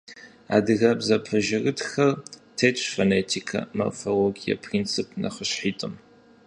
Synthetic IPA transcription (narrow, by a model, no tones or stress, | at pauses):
a̰ːdɨɣɐbzɐpʰɐʒɪɣɨtxɐrtʰeːt͡ʃʷʰʼfɐneːtʰikʰɐ̰mɐ̰fɐloɡijɐ̰pʰrint͡sʰɨpʰnɐ̰χəɕħiːtʼɨm